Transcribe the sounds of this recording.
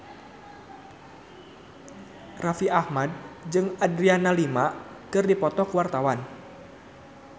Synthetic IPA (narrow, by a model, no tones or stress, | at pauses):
rafiahmad̚d͡ʒɨŋadɾianalima | kɨrdipɔt̪ɔkəwart̪awan